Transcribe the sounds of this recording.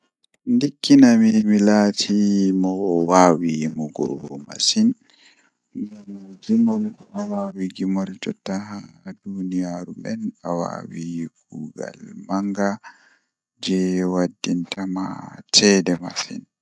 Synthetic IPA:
ndikːinamimilatʰimɔwaːwimɔɡɔ̰wɔma̰sin | md͡ʒimɔlawaːwiɡimɔɾd͡ʒɔtahadunijaɾubɛnawa̰ːwiɡuːɡa̰lmaŋɡa | d͡ʒɛwadːintʰama̰tʰɛdɛma̰sḭn

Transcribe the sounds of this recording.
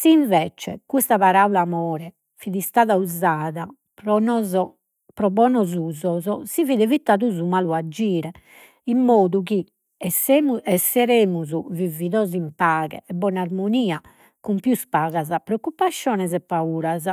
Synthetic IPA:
siɱvɛt͡ʃɛ̰kust̪aβaɾaulamɔːɾɛ | fiðist̪aːðauzaːða | pɾɔnɔzɔ | pɾɔbɔːnɔzuːzɔzɔsiviːðɛevit̪ːaːðuzumaːluad͡ʒːiːɾɛ | imːoːðuki | muɛsːɛɾeːmuzuviviðoːzimpaːɣɛ̰ɛbːɔːnaɾmoniːa | kumpjuspaːɣazapːɾeokːupːaʃːjɔːnɛzɛpːauːɾaza

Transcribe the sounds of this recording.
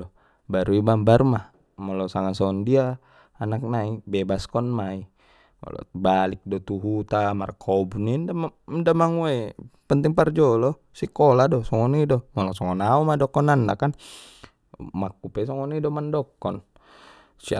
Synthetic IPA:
ɔ | baɾuibambaɾumah | mɔlɔsaŋansɔɔndia | anak̚naibebaskɔnmai | mɔ̰lɔ̰balik̚dɔt̪uɦut̪amarkʰːɔbunindamadamaŋuwapənt̪iŋpard͡ʒɔlɔ | sikɔladɔsɔŋɔnidɔmɔlɔsɔŋɔnaumadɔkɔnanda̰kan | makːupɛsɔŋɔnidɔmandɔkːɔn | sia

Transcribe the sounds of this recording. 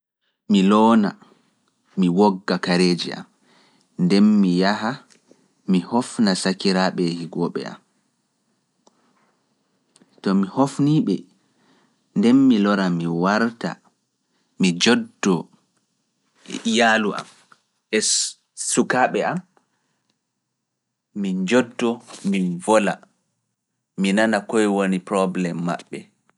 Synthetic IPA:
milɔːna | miwɔɡːakaɾeːd͡ʒiʔa̰m | ndɛnmijaɦa | mihɔfnasakiɾaɓɛhiɡɔɓɛ̰a̰m | tɔmihofniːɓɛ | ndɛnmilɔɾamiwaɾta̰ | mid͡ʒɔdːɔ | ijaluʔa̰m | ʔɛ | sukaːɓɛam | mid͡ʒɔdːɔmivɔla̰ | minanakɔjwonipɾɔblɛmːa̰ɓːɛ

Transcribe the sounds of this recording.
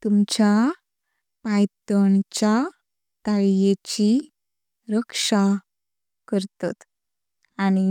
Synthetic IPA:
t̪umt͡ɕa | pajt̪əɳt͡ɕa | t̪aɭjet͡ɕi | ɾəkʂa | kəɾt̪at̪ | añi

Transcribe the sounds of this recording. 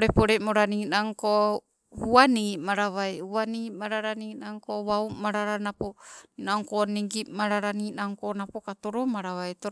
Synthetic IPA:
ɾepoɾemoɾaninaŋko | huanimaɾaβajhuanimaɾaɾaninaŋkoβawmaɾaɾanaponaŋkoniŋɡimaɾaɾaninaŋkonapokatoɾomaɾaβajto

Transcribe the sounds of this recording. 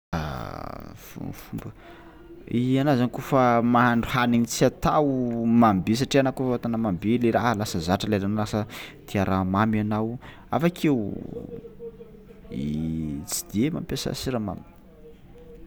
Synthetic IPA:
a̰ | fṵfumbə | ianazankofamaɦaɳɖ͡ʐuhaniɲit͡siat̪awmambes̬aʈ͡ʂianakofat̪anəmambeleɾaɦəlasəzaʈ͡ʂəlaɾanalasət̪iaɾamamanaw | a̰fakʰew | it͡si̥d̪̥ema̰mpesa̰siɾama̰mi

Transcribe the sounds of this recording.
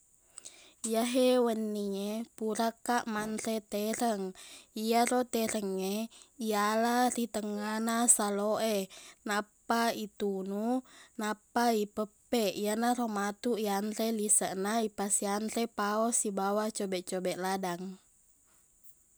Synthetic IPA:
jaɦɛwənːiɲepuɾakaʔmanɾɛt̪ɛɾəŋiaɾɔt̪ɛɾəŋɲeialaɾit̪əŋanasaloʔɛnapait̪ununapaipəpɛʔijanaɾomat̪uianɾɛlisəʔnaipasianɾɛpaɔsibawat͡ʃɔbɛt͡ʃɔbɛʔladaŋ

